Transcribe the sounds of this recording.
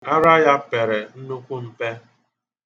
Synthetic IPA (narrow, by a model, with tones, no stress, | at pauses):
a˦ɾa˦ja˦pe˨ɾe˨n̩˦nu˦kʷu˦m̩˦pe˦